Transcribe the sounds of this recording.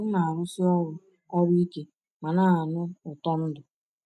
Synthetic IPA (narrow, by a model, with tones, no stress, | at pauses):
ʊ˦na˨a˨ɾʊ˦si˦ɔ˦ɾʊ˨ | ɔ˦ɾi˦i˦ke˨ | ma˨na˦a˨nʊ˦ʊ˨tɔ˦n̩˦dʊ˨